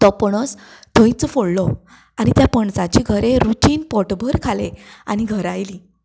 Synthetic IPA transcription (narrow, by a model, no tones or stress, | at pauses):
t̪ɔpəɽ̃əs | t̪ʰəjt͡sfoɽlɔ | añit̪japəɳsat͡ɕiɡʱəɾeɾuʈiːnpɔʈbʱəɾkʰalea̰ñiɡʱəɾajli